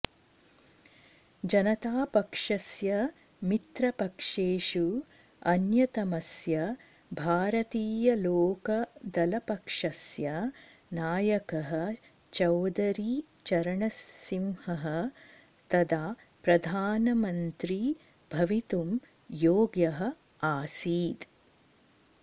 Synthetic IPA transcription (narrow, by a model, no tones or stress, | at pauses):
d͡ʒɐnɐt̪aːpɐkʂɐsjɐ | mit̪ɾɐpɐkʂeːʂu | ɐnjɐt̪ɐmɐsjɐ | bʱaːɾɐt̪iːjɐloːkɐd̪ɐlɐpɐkʂɐsjɐ | naːjɐkɐɦɐ̆ | t͡ʃɐwd̪ɐɾi | t͡ʃɐɾɐɳɐsimhɐɦɐ̆ | t̪ɐd̪a | pɾɐd̪ʱaːnɐmɐnt̪ɾi | bʱɐʋit̪um | joːɡjɐɦɐ̆ | aːsiːd̪